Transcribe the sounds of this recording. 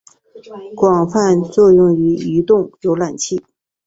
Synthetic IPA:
kwɑ˨˩ŋfa˥˧nt͡swɔ˥˧jʊ˥˩ŋy˧˥y˧˥t̪ʊ˥˩ŋjo˧˥ʊla˨˩nt͡ɕʰi˥˩

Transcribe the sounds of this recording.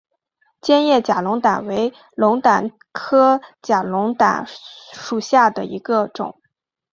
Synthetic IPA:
t͡ɕjɛ˥njɛ˥˩t͡ɕja˨˩lʊ˧˥ŋt̪a˨˩nwe˧˥ɪ | lʊ˧˥ŋt̪a˨˩n | kʰɤ˥t͡ɕja˨˩lʊ˧˥ŋt̪a̰˨˩nʂu˨˩ɕja˥˩d̪ə˩ḭ˧˥ɡə˧ʈ͡ʂʊ̰˨˩˦ŋ

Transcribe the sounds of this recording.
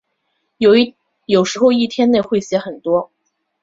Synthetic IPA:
jo˨˩ʊʂɻ̩˧˥xo˥˧ʊi˥˩t̪ʰjɛ˥nne˥˧ɪxwe˥˩ɪɕjɛ˧˥xə˨˩nt̪wɔ˥

